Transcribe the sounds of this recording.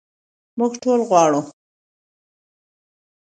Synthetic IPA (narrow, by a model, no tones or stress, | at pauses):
mʊɡʈolɣwɑɽu